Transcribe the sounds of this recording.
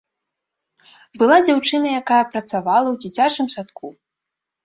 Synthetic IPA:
bɨlˠad͡zʲawt͡ʂɨnɐjakajɐpɾɐt̪savalˠɐwd͡zʲit͡sʲat͡ʂɨmsat̪kʰu

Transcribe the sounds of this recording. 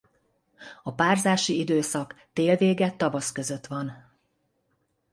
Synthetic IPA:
ɒpaːrzaːʃiid̪øːsɒkt̪eːlveːɡɛt̪ːɒvɒskøzø̞t̪ʋɒn

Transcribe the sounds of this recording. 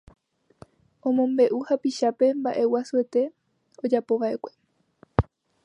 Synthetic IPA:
õ̞mõmbe̞ʔuhapiʃape̞mbaʔe̞wasue̞t̪e̞ | o̞d͡ʒapo̞ʋaʔe̞kʷe̞

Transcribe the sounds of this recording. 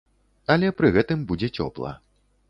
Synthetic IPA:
ɐlʲɛpɾɨɣɛt̪ɨmbud͡zʲɛt͡sʲɔ̰plˠɐ̰

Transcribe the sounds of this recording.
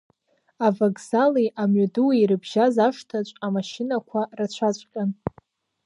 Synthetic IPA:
avakʼzaliʔamɥaduwiiɾɨbʒazaʂtʰat͡ʃʷʼamaʃɪnakʷʰarat͡ɕʷʰat͡ɕʷʼqʲʼan

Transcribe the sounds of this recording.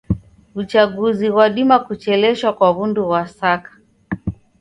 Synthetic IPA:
ut͡ʃaɠuziwaɗimakut͡ʃɛlɛʃwakwaβunduwasakḁ

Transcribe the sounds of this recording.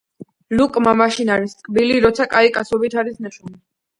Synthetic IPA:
lukʼmamaʃinaɾisʼkʼbiliɾɔt̪sʰakʼaikʼasɔbit̪ʰaɾisnaʃʰuni

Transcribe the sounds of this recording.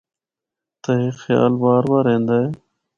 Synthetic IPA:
t̪əɦexja̰ːlbaːɾbaːɾẽːnd̪aːeː

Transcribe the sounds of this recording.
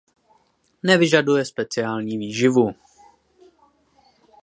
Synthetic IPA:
nɛvɪʒadujɛspɛt͡sɪaːlɲiːviːʒɪvu

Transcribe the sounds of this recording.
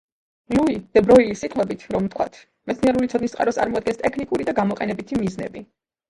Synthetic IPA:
luid̪̥ɛbɾɔilisit̪ʼwɛbit̪ʰɾɔmt̪ʰkʰwa̰t̪ʰ | mɛt̪sniɛɾulitsʰɔd̪nist̪qʼa̰ɾɔst̪ʼa̰ɾmɔad̪̚ɡɛnst̪ʼɛkʰnikʼuɾid̪aɡamɔqʼɛnɛbit̪ʰimiznɛ̰bi

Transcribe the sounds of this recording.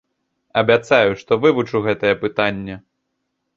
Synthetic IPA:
ɐbʲat̪sajuʂt̪ɔvɨvut͡ʂɨɣɛt̪ɐjɛpɨt̪anʲːɛ

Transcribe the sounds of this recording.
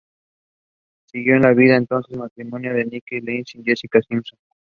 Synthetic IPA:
siɣjoẽnlaβiðaent̪onsesmat̪ɾimonjoðenikelensiŋjesikasimsoŋ

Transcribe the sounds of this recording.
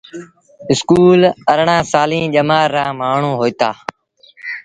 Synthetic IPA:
ɪskuːləɾɳãːsaːlĩːʄəmaːɾːãːmaːɳ̤ũːɦoːit̪aː

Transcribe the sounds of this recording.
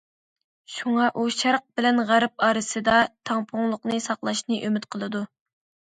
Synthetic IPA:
ʃuŋɑʔuʃæɾq̚bɪlɛnʁæɾɪp̚ɑːɾɨsɨd̪ɑt̪ʰɑŋpʰʊŋlˠʊqnɨsɑqlˠɑʃnɨʔømyt̪qʰəlˠɨd̪u

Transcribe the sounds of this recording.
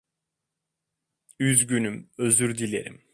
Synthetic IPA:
yzɟynymøzyɾd̪ilʲḛɾḭm

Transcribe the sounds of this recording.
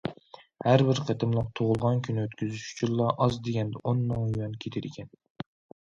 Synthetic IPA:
hæɾbɪɾqʰet̪ʰɨmlˠəq̚t̪ʰoʁʊlˠʁɑnkʲʰynɪøt̪kʲʰyzyʃy̥t͡ʃʰilˠːɑʔɑzd̪eɡʲɛnd̪ɛʔonːɨŋujɑnkʲʰet̪ʰɪɾɪkʲʰɛn

